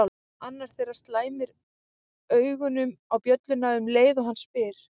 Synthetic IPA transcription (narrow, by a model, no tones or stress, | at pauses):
anːaɾ̥θejɾḁst̪laːjmɪɾ | œːɥɣʏnʏmawpjœt̪lʏnaʏmleːjðɔɦanspɪːɾ̥